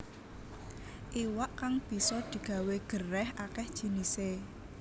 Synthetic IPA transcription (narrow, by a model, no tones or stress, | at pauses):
ʔiwaʔkaŋb̥i̤sɔd̪̥i̤ɡ̥a̤weɡ̥ərɛhʔakɛhd̥ʒ̥i̤nise